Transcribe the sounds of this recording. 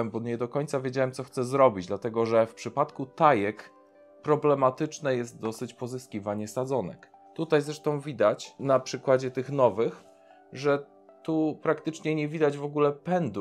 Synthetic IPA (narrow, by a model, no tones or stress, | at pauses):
mbɔɲɛd̪ɔkɔɲt̪savʲjed͡ʑawɛmtsɔxt̪sɛzɾɔbʲid͡ʑd̪lat̪ɛɡɔʐɛfpʂɘpat̪kut̪ajɛk | pɾɔblɛmat̪ɘt͡ʂnɛjɛst̪̚d̪ɔsɘt͡ɕpɔzɘskʲivaɲɛsad̪zɔnɛ̰k | t̪ut̪ajzɾɛʂt̪ɔ̃w̃vʲid̪at͡ɕnapʂɘkwad͡ʑɛt̪ɘxnɔvɘx | ʐɛ | t̪upɾakt̪ɘt͡ʂɲɛɲɛvʲid̪ad͡ʑvɔɡulɛpɛnd̪u